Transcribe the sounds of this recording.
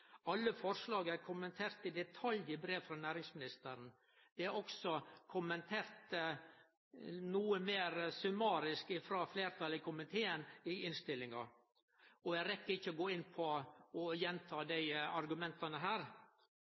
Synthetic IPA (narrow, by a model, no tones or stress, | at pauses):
ɑlːəfɔɾʂlɑːɡæɾkʰʊmənt̪ʰeːɾt̪ɪd̪ɛt̪ʰɑljɪbɾeːʋfɾɑnæːɾɪŋsmɪnɪst̪əɾn | d̪̥ɛæɾɔksɔkʰʊmənt̪ʰeːɾt̪ | nuːəmeːɾsʉmɑːɾɪskɪfɾɑːfleːɾt̪ʰɑlɪkʰʊmɪnt̪ʰeːənɪɪnst̪ɪlːɪŋɑ | ɔjæɾɛkːəɾɪçːəɔɡoːɪnːpʰɔɔjɛnt̪ʰɑːd̪æɪɑɾɡʉmɛnt̪ɑnəɦæːɾ